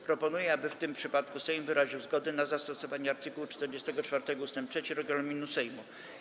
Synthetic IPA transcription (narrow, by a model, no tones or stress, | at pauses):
pɾɔpɔnujɛabɘft̪ɘmpʂɘpat̪kusɛjmvɘɾaʑiwzɡɔd̪ɛnazast̪ɔsɔvaɲɛaɾt̪ɘkuwut͡ʂt̪ɛɾd͡ʑɛst̪ɛɡɔt͡ʂfaɾt̪ɛɡɔust̪ɛmp̚t̪ʂɛt͡ɕiɾɔɡalumʲinusɛjmu